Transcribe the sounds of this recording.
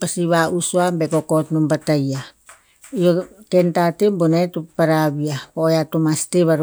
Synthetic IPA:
pasiβausuambekokotnumbataja | iokentatebonetupaɾaβiapojatumasteβaɾ

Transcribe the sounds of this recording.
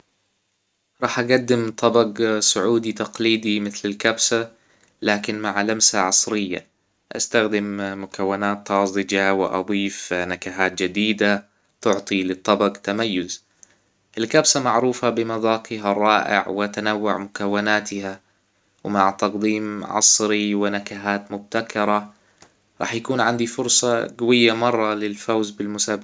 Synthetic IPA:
ɾˤɑːħʔaɡad̪ːɪmt̪ˤʰːɑbɑɡsʊʕuːd̪it̪ɑqliːd̪imɪθlɪlkabsa | laːkɪnmaʕlamsaʕɑsˤɾɪjːa̰ | ʔa̰st̪axd̪ɪmːʊkawːɪnaːt̪ːɑzˤɨd͡ʒawɪ̰ʔɑ̰d̪ˤiːfnakaɦaːt̪̚d͡ʒɪd̪iːd̪a | t̪ʊʕt̪ˤilɨt̪ˤːɑbɑɡt̪amajːʊz | ʔɪlkabsamaʕɾuːfabɪmɑðɑːqiɦaɾˤːɑːʔɪ̰ʕwɪʔat̪anawːʊʕmʊkawːanaːt̪ɪha | wmaʕt̪ɑqd̪iːmʕɑ̰sˤɾiwɪnakaɦaːt̪mʊb̚t̪akɑɾˤɑ | ɾˤɑ̰ːħjakuːnʕand̪ifʊɾsˤɑɡawɪjːamɑrˤːɑlɪlfawzbɪlmʊsaːbɪ

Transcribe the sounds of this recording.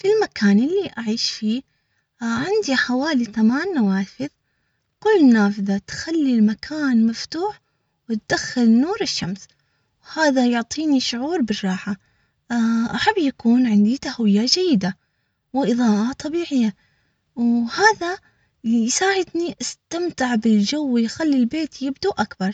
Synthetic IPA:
filmakʰaːnɪlːiʔaʕiːʃfiː | ʕɪnd̪iħawaːlit̪amaːnːawaːfɪð | kʊlːnːaːfɪðat̪xalːilmakʰaːnmaft̪uːħ | wɪt̪̚d̪̥axːɪlnuːɾɪʃːams | whaːðajʊʕt̪ˤiːniʃʊʕuːɾbɪrˤːɑːħa | ʔaħabːjakuːnʕɪnd̪it̪ahwɪjːad͡ʒajːɪd̪a | wɪʔɨðˤɑːʔat̪ˤɑbiːʕɪjːa | whaːða | jsaːʕɪd̪niʔast̪amt̪ɪʕbɪld͡ʒawːɪjxalːilbeːt̪jɪbd̪uʔakbɑɾˤ

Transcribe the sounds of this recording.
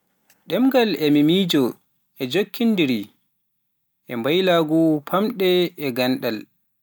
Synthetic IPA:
ɗɛmɡalɛmimiːd͡ʒɔ | ʔɛd͡ʒokʰːindiɾi | ʔɛmbajlaɡupʰamɗɛːɡanɗal

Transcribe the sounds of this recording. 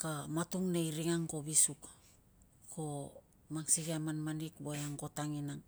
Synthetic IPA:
kamatuŋnejɾiŋaŋko̞βisuk | kʰo | maŋsiɡiamanmanikbojaŋko̞taŋinaŋ

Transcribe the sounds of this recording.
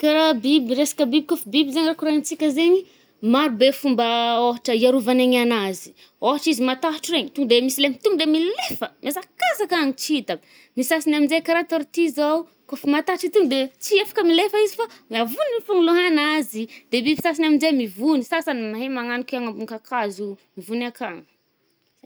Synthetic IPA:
kaɾabibiɾesḁkəbibikofibibizeɲrakuɾat͡sikʲəzeɲi | maɾubefumbəoɦaʈ͡ʂəiaɾuvaneɲanazi̥ | oɦaʈ͡ʂizimat̪aɦaʈ͡ʂireɲit̪uŋɡd̪emisilemit̪uŋd̪emilefəmesakasakaŋit͡ʃiit̪a | misasinaminzekaɾat̪oɾit̪izaw | kofimat̪aʈ͡ʂit̪uŋd̪et͡siefḁkəmilefəizifamavuniifuŋuluɦanazid̪̥ebivi̥sas̬inaminzemivunisasanimaɦemaŋanikiaŋambuŋkakazumivunakaŋi̥

